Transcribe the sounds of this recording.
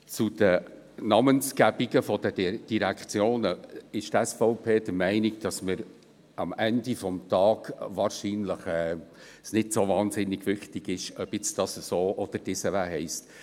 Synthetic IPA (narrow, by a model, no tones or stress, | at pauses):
t͡sud̥̪ə | nɑmənsɡ̥æb̥iɡəfɔd̥ədd̥iɾækχt͡sjoːnəɪʃtɛsfɔʊpʰeːd̥əɾmɛɪniɡd̥ɑsməɾ | ɑmændifɔmtɑːɡʋɑːɾʃiːnləχɛ | snɪdsovɑːnzɪnːɪɡ̥ʋʏχtiɡ̥ɪʃœbjɪt͡sd̥ɑsəsoːʔɔd̥̪əɾd̥ɪsəʋæːɦɛɪst